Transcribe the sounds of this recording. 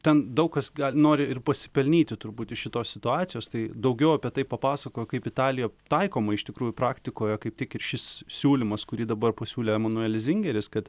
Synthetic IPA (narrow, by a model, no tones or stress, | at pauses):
t̪ʲɛnd̪ɐʊkkɐsɡɑːlʲnoːɾʲɪɪrpɐsʲɪ̥pʲɛlʲnʲiːt̪ʲɪt̪ʊɾbuːt̪ɪʃʃʲɪt̪oːsʲsʲɪt̪ʊɑːt̪t͡ssʲɪjoːst̪ɐɪd̪ɐʊɡʲɛʊɐpʲiɛt̪ɐɪppɐpɑːsɐkoːjɛkɐɪpɪt̪ɑːlʲɪjoːt̪ɐɪkoːmɐɪʃt̪ʲɪkɾuːjʊpɾɑːkt̪ʲɪkoːjɛkɐɪp̚tʲɪkɪrʃʲɪssʲuːlʲɪmɐskʊɾʲiːd̪ɐbɐrpɐsʲuːlʲeːɛmɐnʊɛlʲɪs̬ʲɪŋʲɡʲɛɾʲɪskɐt̪